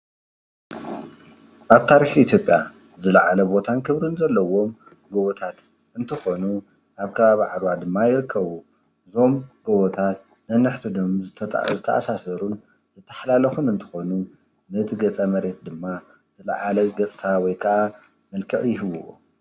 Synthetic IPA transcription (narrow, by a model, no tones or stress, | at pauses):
ʔaβt̪ʰaɾiħiʔit̪ʰjo̞pʼja̰ | zɨlɐʕalɐbo̞t̪ʰankʰɨβɾɨnzɐlːɐwo̞m | ɡoβot̪ʰat̪ | ɨnt̪ʰɨxo̞nu | ʔaβkʰɐβaβiʕad̪wad̪ɨmːajɪɾɨkʰːɐβu | ɨzo̞mɡ̥oβot̪ʰat̪ | nɐnːɨħt̪ʰud̪omzɨt̪ʰɐt̪ʼʕzɨt̪ʰːɐ̰ʔa̰sasɐɾun | zɨt̪ʰːɐ̥ħlalɐxunɨnt̪ʰɨ̥xo̞nu | nɐt̪ʰɨɡɐt͡sʼɐmɐɾe̞t̪̚d̪ɨmːa | z̥ɨlɐ̰ʕalɐɡɐt͡sʼt̪ʰawɔjkʰɐʔa | mɐlkʰɨʔjɪɦɨβuo̰